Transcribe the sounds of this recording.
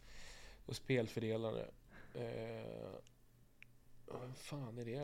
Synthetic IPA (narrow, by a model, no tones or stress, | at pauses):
ɔspeːlfœɖeːlaɾə̰ | vɛmfaːnæɖɛ